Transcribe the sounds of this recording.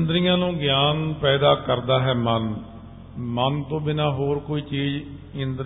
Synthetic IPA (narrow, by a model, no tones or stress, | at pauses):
nd̪ɾijãːnũːɡɪjaːnpɛːd̪aːkəɾd̪aːɦɛːmən | mənt̪õːbɪnaːɦoːɾkoːiːt͡ʃiːd͡ʒ | ɪnd̪ɾ